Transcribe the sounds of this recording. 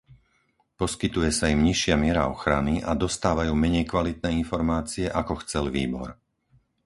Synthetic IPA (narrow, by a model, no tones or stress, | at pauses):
pɔskit̪ujɛsaimɲiʃɪamɪɛɾaɔxɾaniʔa̰d̪ɔst̪aːʋajuːmɛɲɛjkʋalit̪̚nɛːinfɔɾmaːt͡siɛʔakɔxt͡sɛlʋḭːbɔ̰ɾ